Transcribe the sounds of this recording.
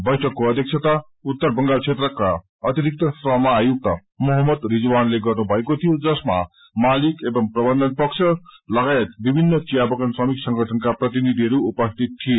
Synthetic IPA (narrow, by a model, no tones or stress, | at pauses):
bʌjʈʰʌkːoʌd̪ʱjek̚sʰet̪a | ut̪ːʌrbʌŋɡalt͡sʰet̪rʌka | ʌt̪iɾik̚t̪ʌsrʌɦmaːjuk̚t̪ʌ | moɦʌmːʌd̪ɾid͡zuwanleɡʌrnubʱʌekot̪ʰijod͡zʌsma̰ | malikebʌmprʌbʌnd̪ʱʌnpʌksʰʌlʌɡaet̪̚bibʱinːʌt͡sijabʌkʌnswʌmiksʌŋɡʌʈʰʌnkaprʌt̪̬inid̪ʱiɦʌɾuːpʌst̪ʰit̪ʰːije